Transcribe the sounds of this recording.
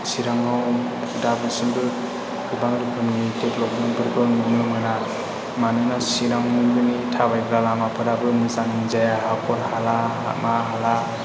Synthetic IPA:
siɾaŋaw | pʰɯdabɯsinbɯ | kubaŋɾupʰɯmnitetlɔknɯŋbɯɾɡɔnmɯmlɯmana | manɯnasiɾaŋbɯnitʰabajɡɾalamapʰɯdabɯmɯsaninzajaɦakʰɔɾhala | maɦala

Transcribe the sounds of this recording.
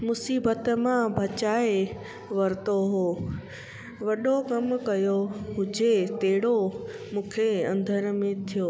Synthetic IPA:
mʊsiːbət̪mãbʱɐt͡ɕaːe | ʋɐɾɪt̪oɦoː | ʋɐɗokɐmkɐjoɦʊd͡ʑet̪eɦɪɽo | mũːkʰeɐ̃nd̪ʱəɾmẽt̪ʰijoː

